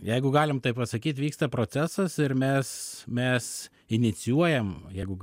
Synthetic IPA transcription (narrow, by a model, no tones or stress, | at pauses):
jɛɪɡʊɡɑːlʲɪmt̪ɐɪpɐsɐkʲiːt̪ʋʲiːkst̪ɐpɾoːtt͡s̪ʲæːsɐsɪɾmʲɛsmʲɛs | ɪnʲɪt̪t͡s̪ʲɪjuɔjɛmjɛɪɡʊ